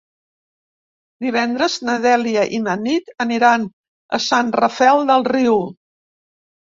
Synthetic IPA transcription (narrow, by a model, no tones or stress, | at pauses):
d̪iβɛnd̪ɾəznəðɛliəʔimənit̪əniɾan | ə̰sanrəfɛlˠd̪əlˠriw